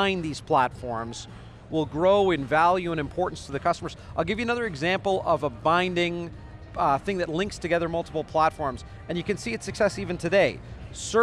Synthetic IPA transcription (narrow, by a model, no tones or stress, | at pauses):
ɪ̃nðiz̥pʰl̥ætfɔɹmz | wɪlˠɡɹoʊɨ̃nvælˠjʉə̃ɾ̃ɨ̃mpʰɔɹʔn̩stʰəðɨkʰʌstəmə˞z̥aɪlˠɡɪvjɨɨnʌðə˞ɨɡzæ̃mpl̩ˠʌvəbãɪ̃ndɪ̃ŋ | θɪ̃ŋðɨtˡlɪ̃ŋkstʰɨɡɛðə˞mʌlˠtʰə̥pl̩ˠpʰl̥ætfɔɹmz | ɨ̃njɨkɨ̃nsiɨtsɨksɛsivɨ̃ntʰɨdeɪsɜ˞